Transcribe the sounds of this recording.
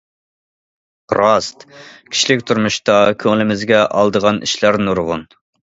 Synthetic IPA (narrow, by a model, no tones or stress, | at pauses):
ɾɑst̪kʲʰi̥ʃlɪkʲt̪ʰuɾmuʃt̪ɑkʲʰøŋlɪmɪzɡʲɛʔɑlˠd̪əʁɑnḭʃlæɾnuɾʁʊ̰n